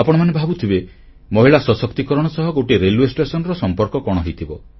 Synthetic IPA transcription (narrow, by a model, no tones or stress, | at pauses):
apɔɽ̃ɔmanebʱabut̪ʰibe | mɔɦiɭasɔsɔkt̪ikɔɾɔɽ̃ɔsɔɦɔɡoʈiɾeluesʈesɔnɾɔsɔmpɔɾkɔkɔɽ̃ɔɦejt̪ʰibɔ